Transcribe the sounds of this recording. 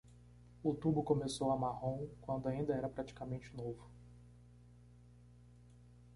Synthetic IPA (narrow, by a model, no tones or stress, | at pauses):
ʊt̪ubʊkõmesowɐmahõw̃kwɐ̃nd̪ʊaĩd̪ɐɛɾɐpɾat͡ʃi̥kamẽnt͡ʃɪnovʊ